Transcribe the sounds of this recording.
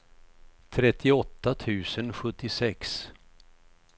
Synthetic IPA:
t̪ʰɾɛt̪ʰːɪɔt̪ːat̪ʰʉ̟ːsənɧɵt̪ːɪsɛks

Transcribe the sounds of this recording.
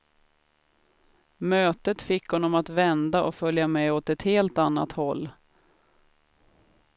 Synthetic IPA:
møːt̪ət̪fɪkhɔnːɔmat̪vɛnd̪aʔɔfœljamɛɔt̪ɛt̪heːlt̪anːa̰t̪hɔlː

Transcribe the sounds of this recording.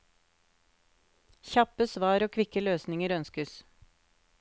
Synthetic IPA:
çɑpəsʋɑːɾoːkʰʋɪkəløːsnɪŋəɾœnskəs

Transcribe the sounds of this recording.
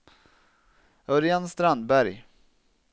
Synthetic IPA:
œɾɪanst̪ɾand̪bæɾj

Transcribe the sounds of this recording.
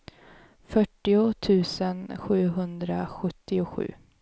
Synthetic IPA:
fœʈːɪʊt̪ʰʉ̟ːsənɧʉ̟ːɦɵnd̪ɾaɧɵt̪ːɪʊɧʉ̟̰ː

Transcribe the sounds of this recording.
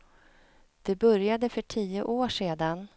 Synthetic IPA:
d̪̥ɛbœɾjad̪əfœʈʰiːəʔoːʂeːd̪an

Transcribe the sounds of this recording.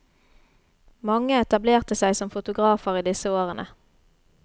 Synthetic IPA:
mɑŋəɛt̪ɑbleːʁt̪əsæɪsɔmfʊt̪ʊɡʁɑːfəʁiːd̪ɪsəoːʁənʔə

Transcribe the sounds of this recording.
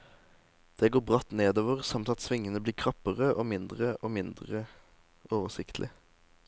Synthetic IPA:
d̪̥ɛɡoːbʁɑt̪neːd̪oːʋəʁsɑmt̪ɑt̪sʋɪŋːənəbliːʁkʰʁɑpəʁəʔoːmɪnd̪ʁəʔoːmɪnd̪ʁə | oːʋəsɪkt̪ʰlʔɪ

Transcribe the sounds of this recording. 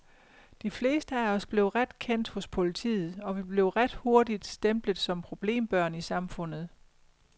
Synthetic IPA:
d̥ifle̝̰ːsd̥əæɐɒ̽sb̥le̝ːʊʁad̥kʰen̰d̥hɔ̽spʰo̝lit͡sʰḭːð̩ˠɒ̽ʋib̥le̝ʊʁad̥ho̝ɐdid̥sd̥emb̥ləðˠsɒ̽mpʰʁo̝b̥le̝̰ːmb̥ɶɐ̰nisɑ̈mfɔ̽n̰ð̞̩ˠ

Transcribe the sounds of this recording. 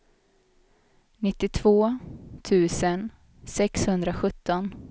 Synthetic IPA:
nɪt̪ːɪt̪ʰv̥oːt̪ʰʉ̟ːsən | sɛkshɵnd̪ɾaɧɵt̪ːɔn

